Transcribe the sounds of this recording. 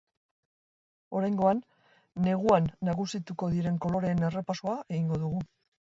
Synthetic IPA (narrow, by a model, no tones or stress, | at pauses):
o̞ɾajŋɡo̞anː | e̞ɣ̞uanːaɣusit̪uko̞ðiɾe̞ŋko̞lo̞ɾe̞ːne̞re̞pasoae̞ɣiŋɡo̞ðuɣu